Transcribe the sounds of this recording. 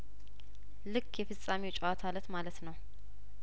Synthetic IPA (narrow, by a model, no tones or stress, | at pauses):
lɨkʰːjɛfɨt͡sʼːamiwt͡ʃʼawat̪ʰalət̪malət̪nəw